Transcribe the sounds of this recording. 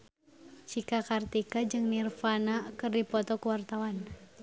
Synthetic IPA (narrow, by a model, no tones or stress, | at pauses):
sikakart̪ikad͡ʒɨŋnirfanakɨrdipɔt̪ɔkəwart̪awan